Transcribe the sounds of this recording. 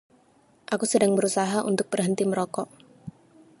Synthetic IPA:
ʔakusədaŋbəɾusaɦaʔṵnt̪ʊk̚bərɦənt̪iməɾɔkɔʔ

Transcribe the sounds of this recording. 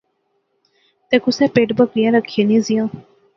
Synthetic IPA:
t̪ɛ̃ːkʊsɛ̃ːpeːʈbəkɾijãːɾəkʰːiẽːnĩːzɪjãː

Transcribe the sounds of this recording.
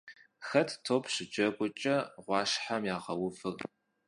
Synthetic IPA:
xɐtʰtʰoːpʰɕɪd͡ʒɐɡʷʊt͡ʃʼɐʁʷɑːʃħamjaːʁɐwʊfɨr

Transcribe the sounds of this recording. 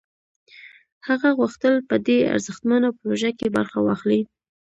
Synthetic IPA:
haɣaɣuxt̪əlpəd̪ea̰ɾzəxt̪manapɾoʒakeba̰ɾxawɑxli

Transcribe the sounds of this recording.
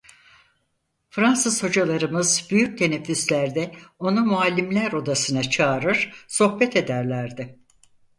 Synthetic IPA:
fɾansɯz̥ho̞d͡ʒalˠaɾɯmɯzbyjyc̚t̪ʰe̞nefyslʲæɾd̪ɛo̞numualʲːimlʲæɾo̞d̪asɯnat͡ʃʰaːɾɯɾ̥so̞xbɛt̪ʰe̞d̪æɾlʲæɾd̪ɪ

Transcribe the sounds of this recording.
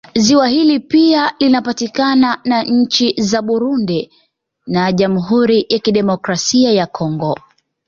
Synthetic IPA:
ziwaɦilipialinapatikananaɲ̩t͡ʃizaɓuɾundi | naʄamuɦuɾijakiɗɛmɔkɾasiajakʰɔŋɡɔ

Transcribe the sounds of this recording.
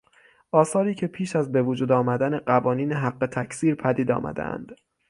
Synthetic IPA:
ʔɒːsɒːɾiːcʰe̞pʰiːʃæzbe̞vod͡ʒuːd̪ɒːmæd̪æneɢævɒːniːneɦæɢːe̞t̪ʰækʰsiːɾpʰæd̪iːd̪ɒ̰ːmæ̰d̪ḛʔæ̰nd̪̥

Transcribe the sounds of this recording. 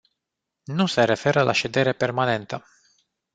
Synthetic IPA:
nuse̞ɾe̞fe̞ɾəlʔa̰ʃe̞d̪e̞ɾepermane̞nt̪ə

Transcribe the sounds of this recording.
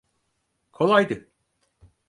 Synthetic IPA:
kʰolˠajd̪ɯ

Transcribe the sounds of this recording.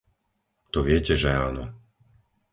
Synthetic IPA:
t̪ɔʋɪɛcɛʒɛaːnɔ

